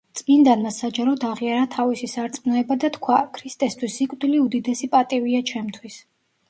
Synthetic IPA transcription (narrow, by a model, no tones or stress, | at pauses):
t̪sʼmind̪anmasad͡ʒaɾɔd̪aʁiaɾat̪ʰavisisaɾt̪sʼmnɔɛbad̪at̪kʰwakʰɾist̪ʼɛst̪ʰwisːikʼd̪iliud̪id̪ɛsipʼat̪ʼiviat͡ʃʰɛmt̪ʰwis